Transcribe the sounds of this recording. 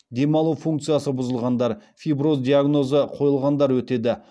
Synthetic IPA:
d̪e̞mɑlˠufuŋk̚t̪sijasəbʊzəlˠʁɑnd̪ɑɾfʲijbɾo̞zd̪iaɡno̞zəqʰo̞jəlˠʁɑnd̪ɑɾwɵt̪e̞d̪ɪ

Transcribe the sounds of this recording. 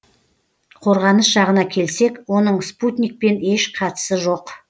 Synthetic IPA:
qʰo̞ɾʁɑnəsʒ̥ɑʁənɑkʲʰe̞lse̞kwo̞nəɴsput̪ʲnʲik̚pe̞neʃqʰɑt̪ə̥səʒo̞q

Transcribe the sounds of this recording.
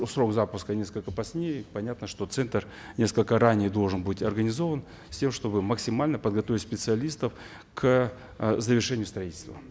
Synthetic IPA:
sɾo̞ɡzapʊskənʲe̞skəlʲkəpɐsʲnʲejpɐnʲat̪nəʂt̪o̞t̪sɛnt̪ər | nʲe̞skəlʲkəɾanʲɪjd̪o̞lˠʐənbɨtʲɐrɡənʲɪzo̞vən | sʲtʲe̞mʂt̪o̞bɨməksʲɪmalʲnəpəd̪ɡɐt̪ovɪtʲsʲpʲɪt̪sɨɐlʲist̪əf | kʰ | zəvʲɪrʂɛnʲɪjʊst̪ɾɐitʲɪlʲst̪və̰

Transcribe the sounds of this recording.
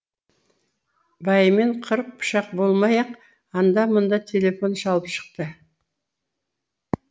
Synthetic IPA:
bɑjmeɴqʰəɾq̚pʊ̥ʃɑq̚bo̞lˠmɑjɑq | ɑnd̪ɑmʊnd̪ɑt̪ʲʰe̞lʲe̞fo̞nʃɑlˠəpʃə̥q̚t̪ə

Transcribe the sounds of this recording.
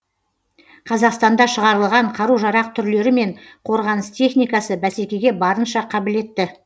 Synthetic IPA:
qʰɑzɑqst̪ɑnd̪ɑʃəʁɑɾəlˠʁɑɴqʰɑɾuʒɑɾɑq̚t̪ʰʏɾle̞ɾɪme̞ɴqʰo̞ɾʁɑnəst̪ʲʰe̞χnijkɑsəbæse̞kʲe̞ɡʲe̞bɑɾənʃɑqʰɑbɪle̞t̪ːɪ

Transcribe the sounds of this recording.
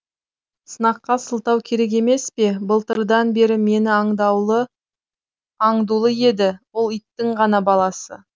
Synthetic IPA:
sənɑqːɑsəlˠt̪ɑwkʲʰe̞ɾe̞k̬e̞me̞spe̞bəlˠt̪əɾd̪ɑnbe̞ɾɪme̞nɪɑɴd̪ɑwə | ɑɴd̪ulˠəje̞d̪ɪwo̞lˠijt̪ːɪɴʁɑnɑbɑlˠɑsə̰

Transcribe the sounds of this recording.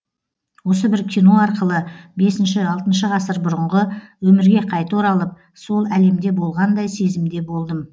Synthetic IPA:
wo̞səbɪɾkʲʰijno̞ɑɾqəlˠəbe̞sɪnʃɪɑlˠt̪ənʃəʁɑsəɾbʊɾəɴʁəwɵmɪɾɡʲe̞qʰɑjt̪oɾɑlˠəp̚ | so̞lˠæle̞md̪e̞bo̞lˠʁɑnd̪ɑjse̞zɪmd̪e̞bo̞lˠd̪əm

